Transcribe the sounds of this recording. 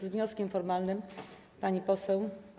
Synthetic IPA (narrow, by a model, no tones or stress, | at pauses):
zvɲɔskʲɛmfɔɾmalnɘm | paɲipɔsɛw